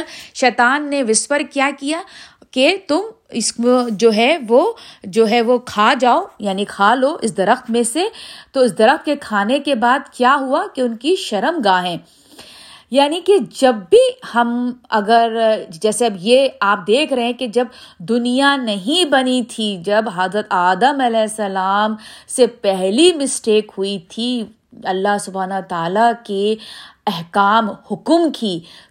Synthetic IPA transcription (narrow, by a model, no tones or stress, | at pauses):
ʃɛːt̪aːnːeʋɪspəɾkjaːkijaː | ket̪ʊm | ɪsd͡ʒoːɦɛʋod͡ʒoːɦɛʋokʰaːd͡ʒaːojaːnikʰaːloːʔɪs̬d̪ɐɾəxt̪mẽset̪oɪs̬d̪ɐɾəxt̪̚kekʰaːnekebaːd̪kjaːɦuakeʊnkiʃɐɾəmɡaːɦɛ̃ː | jaːniked͡ʒɐbːihɐmɐ̰ɡəɾd͡ʒɛːseɐbjeaːp̚d̪eːkʰɾɐɦɛ̃ked͡ʒɐbd̪ʊnijanɐɦĩbɐnit̪ʰid͡ʒɐbɦəzɾət̪aːd̪əmɐlɛːɦsːɐlaːmsepɛɦlimɪsʈeːkɦuit̪ʰi | ɐlːaɦsʊbʱaːnəət̪aːlakeɛɦkaːmhʊkmkʰiː